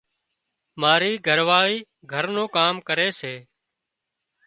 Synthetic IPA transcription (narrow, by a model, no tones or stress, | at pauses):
maːɾiːɡʱəɾʋaːɭiː | ɡʱəɾnõːkaːmkəɾeːseː